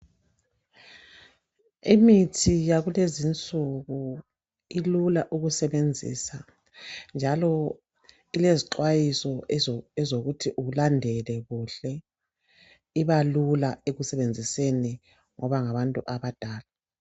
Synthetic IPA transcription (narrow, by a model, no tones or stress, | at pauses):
imitʰijaɣulezint͡sʼuɣu | ilulaʔuɣusɛβend͡zʱḭsa | nd͡ʒʱalɔ | ileziǃwajisɔɛzoɣutʰiʔuulandʱɛlɛɣuɬɛ | iβalulaeɣusɛβend͡zʱiseni | ŋɔβaŋaβantʼuʔaβad̥ʱaːla